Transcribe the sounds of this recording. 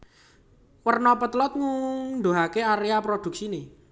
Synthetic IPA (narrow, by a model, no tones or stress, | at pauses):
wərnɔpət̪lɔt̪̚ŋund̪oɦakeaɾeapɾod̪̥ṳk̚sine